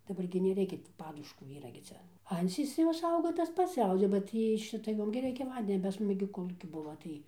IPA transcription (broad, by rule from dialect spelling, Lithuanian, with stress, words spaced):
dɐˈbɐr ɡʲɪ nʲɛˈrʲɛɪkʲɛ tʲɪ ˈpɑːdʊʃkuː ˈiːrɐ ɡʲɪ ˈt͡sʲɛ ˈɐnʲt͡sʲiːs ˈjoːs ˈɐʊɡɐ tɐs ˈpɐts ˈɐʊɡɐ bɐ ˈtʲiː ɪ ˈʃʲɪtɐ ˈjoːm ɡʲɪ ˈrʲɛɪkʲɛ ˈʋɐnʲdʲɛnʲoː pɐs ˈmʊs ɡʲɪ koːˈlˠuːkʲɪ ˈbʊʋoː tɐɪ